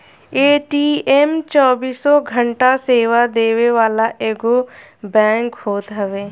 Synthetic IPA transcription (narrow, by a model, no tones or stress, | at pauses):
eːʈiemt͡ʃɔːbiːsːɔɡʱəɳʈaseːʋad̪eːweʋaːlaʔeːɡo | bɛ̃ːŋkɦoːt̪ɦəʋeː